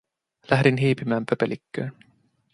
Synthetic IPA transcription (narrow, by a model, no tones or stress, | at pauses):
læɦɾinɦiːpimæːmpʰœpelikːøː